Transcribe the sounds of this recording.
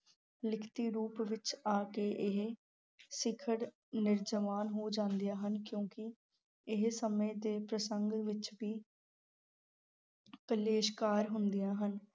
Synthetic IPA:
lɪkʰt̪iːɾuːpʋɪt͡ʃaːkeːʔɪɦ | sɪkʰəɽ | nɪɾd͡ʒəʋaːnɦoːd͡ʒãːnd̪ijaːɦənkjõːkɪ | ɪɦsəmẽːd̪eːpɾəsəŋɡʋɪt͡ʃʋiː | kəleːʃkaːɾɦʊnd̪ɪjaːɦən

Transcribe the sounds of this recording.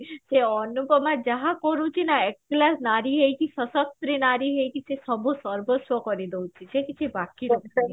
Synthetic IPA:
seɔnupɔmad͡ʒaɦakɔɾũt͡ʃʰinaekklasnaɾiɦejkisɔsɔkt̪ɾinaɾiɦejkʰisesɔbosɔɾbosʋɔkɔɾid̪ewt͡ʃʰit͡ʃʰekit͡ʃʰebakiɾɔ

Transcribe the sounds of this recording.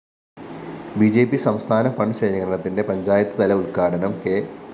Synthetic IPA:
bid͡ʑe̞ːpːisɐmst̪ʰaːnɐfɐɳɖɕeːɾikɐɾɐɳɐt̪ːinde̞pɐɲd͡ʑaːjɐt̪ːɐt̪ɐlɐuɭkaːʈɐnɐmke̞

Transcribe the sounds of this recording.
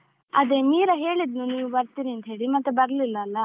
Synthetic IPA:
ɐd̪emiːɾɐɦe̞ːɭid̪nuniːʋubɐɾt̪iːɾiɐnt̪ɦe̞ːɭimɐt̪ːubɐɾlilːɐːlːɐ

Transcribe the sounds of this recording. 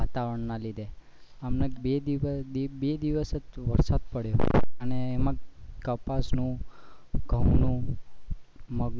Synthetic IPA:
at̪aʋɾəɳnalid̪e | amnebed̪id̪ibed̪iʋəsetʋəɾsad̪̚pəɽjo̰əneːmãkəpasnũ | ɡʱə̃wnũ | məɡ

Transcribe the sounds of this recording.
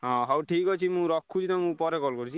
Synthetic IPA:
ɦɔ̃ɦawʈʰikɡɔt͡ʃʰimũɾɔkʰːut͡ʃʰinɔmũpɔɾekɔlkɔɾt͡ʃʰi

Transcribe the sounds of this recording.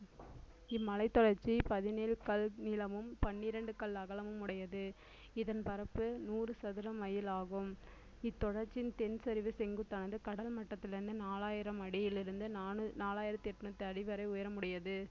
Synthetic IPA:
ɪmːɐlɐɪt̪ːɔɽɐɾt͡ʃːipɐðɪneːlkɐlnɪlɐmɯmpɐɳːɪɾɐɳɖɯkɐɭɐɣɐlɐmɯmːʊɽɐjɐðɯ | ɪðɐnpɐɾɐpːɯnuːrɯsɐðɯɾɐmɐjɪlaːɣɯm | ɪt̪ːɔɽɐɾt͡ʃɪnt̪ɛnsɐɾɪʋɯsɛŋɡɯt̪ːɐnɐnd̪ɯkɐɽɐlmɐʈːɐt̪ːɪlɪɾɯnd̪ɯnaːlaːjɪɾɐmɐɽɪjɪlɪɾɯnd̪ɯnaːnɯnaːlaːjɪɾɐt̪ːɪɛʈːɯnut̪ːɯɐɽɪʋɐɾɐɪʊjɐɾɐmʊɽɪjɐðɯ

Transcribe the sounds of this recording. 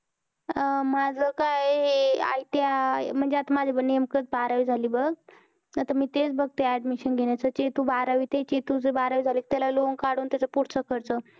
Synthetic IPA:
mad͡zʱəkaja̰it̪jam̤əɳd͡zeat̪amad͡zʱebənemkət͡sbaɾaʋiːd͡zʱaliːbəɡ | at̪amiːt̪et͡sbəɡ̚t̪eɛɖmiɕənɡʱeɳjat͡sət͡ɕet̪uːbaɾaʋiːt̪et͡ɕet̪ud͡zəbaɾaʋid͡zʱaleːk̚t̪alaloŋkaɽuːnt̪jat͡səpuɽt͡səkʰəɾt͡sə

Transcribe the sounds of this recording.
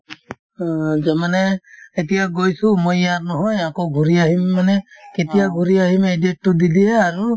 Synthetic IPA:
zɛmanɛetijaɡojsumojaɹnɔɦɔjakoɡʱuɾiaɦimːanɛketijaɡʱuɾiaɦimedet̚ːudidiɛaɾu

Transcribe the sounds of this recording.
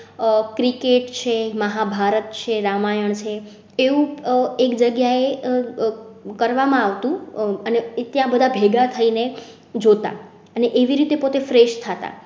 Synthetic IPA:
kɾikeʈt͡ʃʰeməɦabʱaɾət̪t͡ʃʰeɾamajəɳt͡ʃʰe | eʋũekd͡ʒəɡjae | kəɾʋamãaʋt̪ũənet̪jãbəd̪ʱabʱeɡat̪ʰəine | d͡ʒot̪a̰ | əneʔeʋiɾit̪epot̪efɾeʃt̪ʰat̪a̰

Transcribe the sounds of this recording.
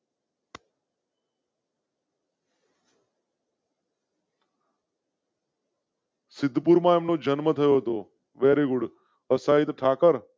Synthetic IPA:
sɪd̪ʱːpuɾmãeːmnod͡ʒənmət̪ʰəjoɦət̪o | ʋeːɾeɡʊɽ | əsaːit̪ʈʰaːkəɾ

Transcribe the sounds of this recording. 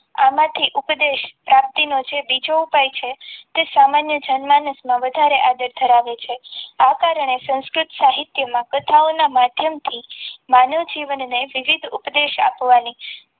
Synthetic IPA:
a̰mãt̪ʰiʔupd̪eʃpɾap̚t̪inod͡ʒebid͡ʒoupajt͡ʃʰet̪esamanjəd͡ʒənmanəsmãʋəd̪ʱaɾeʔad̪əɾt̪ʰəɾaʋet͡ʃʰeakaɾəɳ̃esə̃wskɾʊt̪saɦit̪jəmãkət̪ʰaonamad̪ʱjəmt̪ʰimanəʋd͡ʒiʋənːeʋiʋid̪ʱupd̪eʃa̰pʋani

